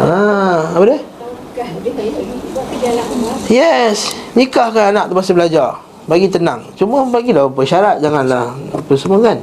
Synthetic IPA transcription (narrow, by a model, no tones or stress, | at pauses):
aapade | jɛsnikahkananak̚t̪əbasəbəlad͡ʒar | baɡit̪ənãŋt͡ʃuməbaɡilapəʃaɾat̪̚d͡ʒaŋanlahpəsəmuakan